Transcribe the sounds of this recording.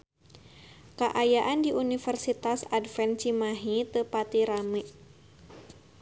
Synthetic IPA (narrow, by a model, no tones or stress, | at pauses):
kəʔajaʔandiʔunifərsit̪asadfɛnt͡ʃimaɦit̪əpat̪iɾamiʔ